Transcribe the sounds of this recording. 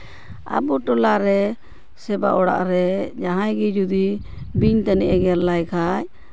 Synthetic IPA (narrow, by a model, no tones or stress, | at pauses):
a̰buʈɔlaɾɛ | sɛba̰ʔɔɽa̰ʔɾɛd͡ʒaɦajɡid͡ʒud̪i | biɲt̪anɛʔɛɡɛɾlajkʰaj